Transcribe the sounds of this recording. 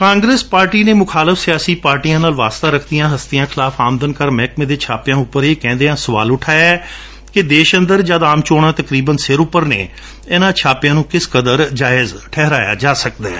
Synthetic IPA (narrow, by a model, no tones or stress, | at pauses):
kãːŋɡɾeːspaːɾʈiːneːmʊkʰaːləfʰsɪjaːsiːpaːɾʈiːjãːnaːlʋaːst̪aːɾəkʰd̪ijãːɦəst̪ɪjãːkʰɪlaːfʰaːmd̪ənkəɾmɛːkmẽːd̪eːt͡ʃʰaːpɪjãːʊpːəɾeːkɛ̃ːnd̪eːãːsəʋa̰ːlʊʈʰaːɛː | kɪd̪eːʃə̃nd̪əɾd͡ʒaːd̪aːmt͡ʃoːɽ̃ãːt̪əkɾiːbənsɪɾʊpːəɾnḛː | eːnãːt͡ʃʰaːpɪjãːnũːkɪskəd̪əɾd͡ʒaːɪzʈʰɛːɦɾaːja̰ːd͡ʒaːsəkd̪aː